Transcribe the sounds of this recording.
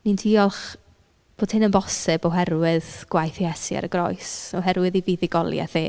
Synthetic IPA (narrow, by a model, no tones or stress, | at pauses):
nintʰiːɔlˠχ | b̥oːd̥hɪnənbɔsɨbɔɦɛrwɪðɡ̥wajθjɛsja̰ɾəɡrɔ̰jsɔɦɛɾwɨðiviːðɪɡɔlˠja̰θḛː